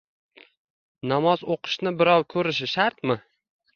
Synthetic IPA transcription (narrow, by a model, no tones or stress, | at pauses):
namɒzoqʰɨ̥ʃnɪbɪɾɒwkʰɵɾɪʃ̬ɪʃaɾt̪̚mɪ